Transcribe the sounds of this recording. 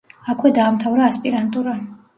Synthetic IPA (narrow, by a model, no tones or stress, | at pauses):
akʰwɛd̪aːmt̪ʰavɾaːspʼiɾant̪ʼuɾa